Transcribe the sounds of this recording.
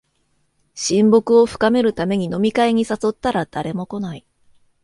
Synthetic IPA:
ɕĩmbo̞kɯ̟o̞ɸɯ̟̥kame̞ɾɯ̟t̪ame̞ɲ̟ino̞mʲikaiɲ̟isaso̞t̪ːaɾad̪̥aɾe̞mo̞ko̞nai

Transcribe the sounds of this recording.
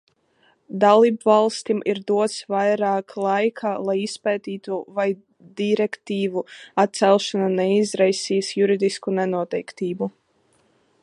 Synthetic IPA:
d̪alˠiːbvalˠst̪ʲimʔiɾd̪uɔt̪svajɾaːkʰlˠajkʰalˠajispɛːt̪iːt̪uvaj | d̪iɾɛkt̪iːvuat̪̚t̪sɛlˠʃananɛizɾajsiːsjuɾid̪iskunɛnuɔt̪ɛjkt̪iːbu

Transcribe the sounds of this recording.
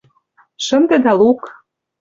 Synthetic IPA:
ʃɤ̆md̪ĕd̪ɑluk

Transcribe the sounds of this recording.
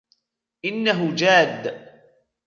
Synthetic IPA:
ʔɪnːaɦʊd͡ʒaːd̪ː

